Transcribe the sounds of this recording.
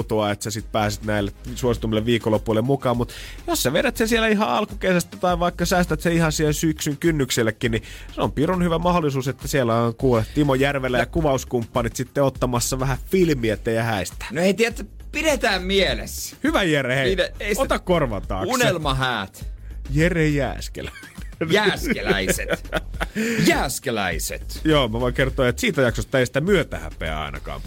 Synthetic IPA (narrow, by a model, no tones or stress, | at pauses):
t̪oɑet̪sæsit̪̚pæːsit̪næilːet̪suosit̪umːileʋʋiːkolːepulːemmukɑːmmut̪jossæʋedæt̪sesielæihɑɑ̰lkukesæst̪æt̪ɑiʋɑikːɑsæːst̪æt̪seihɑsielsyksyŋkynːyksilːekːinniseo̰mpirunhyʋæmɑholːˑisuːset̪ːæsielːæɑŋkuːlet̪timojærʋelːæjɑkuʋɑuskumpːɑnit̪sit̪ːeot̪ːɑmɑsːɑʋæhæfilmiæet̪ːejæhæist̪æ̥noeit̪iæt̪ːpiɾet̪æːmmielḛshyʋæjerheneeiot̪ɑkkorʋɑt̪ɑ̰ːkkusnelmɑɦæːt̪jerhejæ̰ːskḛlæinejæːskelæ̰ise | jæːskelæ̰isḛt̪joːmæʋoikert̪oɑjet̪siːt̪æjɑksost̪ːæeisi̥t̪æmyøt̪æ̰hæ̰pḛæ̰ɑ̰inɑ̰kɑ̰ːm